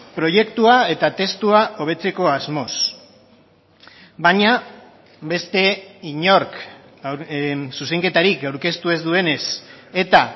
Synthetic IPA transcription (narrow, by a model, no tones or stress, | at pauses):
pɾo̞je̞kt̪uae̞t̪at̪e̞st̪uaʔo̞β̞e̞t͡se̞ko̞azmo̞s | baɲa | be̞st̪e̞iɲo̞ɾk | suseŋke̞t̪aɾikawɾke̞st̪ue̞zd̪ue̞ne̞se̞t̪a